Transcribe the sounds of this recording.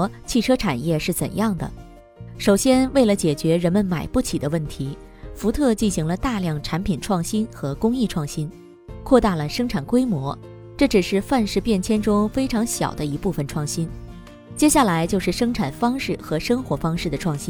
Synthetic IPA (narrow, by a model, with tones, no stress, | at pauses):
t͡ɕʰi˥˩ʈ͡ʂʰɤ˥ʈ͡ʂʰa˨˩njɛ˥˧ʂɻ̩˥˩t͡sə˨˩njɑ˥˩ŋd̪ə̰˩ | ʂo˨˩ʊɕjɛ˥nwe˥˩ɪlə˩t͡ɕjɛ˨˩t͡ɕɥɛ˧˥ɻə˧˥nmə˧nma˨˩ɪpu˥˩t͡ɕʰi˨˩d̪ə˦wə˥˩nt̪ʰi˧˥ | fu˧˥t̪ʰɤ˥˧t͡ɕi˥˩nɕi˧˥ŋlə˧t̪a˥˧ljɑ˥˩ŋʈ͡ʂʰa˧˥npʰi˨˩nʈ͡ʂʰwɑ˥˩ŋɕi˥nxɤ˧˥kʊ˥ŋi˥˧ʈ͡ʂʰwɑ˥˩ŋɕi˥n | kʰwɔ˥˧t̪a˥˩lə˩ʂɤ˥ŋʈ͡ʂʰa˨˩nkwe˥ɪmwɔ˧˥ | ʈ͡ʂɤ˥˩ʈ͡ʂɻ̩˨˩ʂɻ̩˥˧fa˥˧nʂɻ̩˥˧pjɛ˥˩nt͡ɕʰjɛ˥nʈ͡ʂʊ˥ŋfe˥ɪʈ͡ʂʰɑ˧˥ŋɕjɑ̰˨˩ʊd̪ə˦i˧˥pu˥˩fə˩nʈ͡ʂʰwɑ˥˩ŋɕi˥n | t͡ɕjɛ˥ɕja˥˩la˧˥ɪt͡ɕjo˥˧ʊʂɻ̩˥˩ʂɤ˥ŋʈ͡ʂʰa˨˩nfɑ˥ŋʂɻ̩˥˩xɤ˧˥ʂɤ˥ŋxwɔ˧˥fɑ˥ŋʂɻ̩˥˩d̪ə˩ʈ͡ʂʰwɑ˥˩ŋɕi˥n